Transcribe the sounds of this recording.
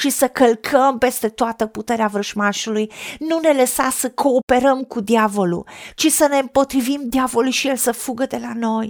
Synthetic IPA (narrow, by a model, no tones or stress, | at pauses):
ʃisəkəlkʰəmpe̞st̪e̞t̪oat̪əput̪e̞ɾeavɾəʒmaʃulujnune̞ləsa̰səkʰo̞ːpe̞ɾəmkud̪iavo̞lṵt͡ʃisəne̞ɨmpo̞t̪ɾivimd̪iavo̞lulʃije̞lsəfuɡəd̪e̞lano̞j